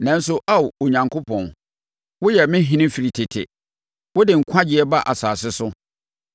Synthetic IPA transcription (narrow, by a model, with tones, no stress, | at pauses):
nã˨n̩˦sʊ˦ʔa˦wo˨ɲã˨ŋkʰo˦pʰɔ̃˨n | wʊ˦jɛ˨mɪ̃˦ɦĩ˦nɪ̃˦fi˨ɾi˨tʰɪ˨tʰɪ̰˨ | wʊ˦dɪ˨ŋ̩˨kʷʰã˦d͡ʑɪ˨˦ɛ˦ba˦ʔa˨saː˨sɪ˦sʊ˦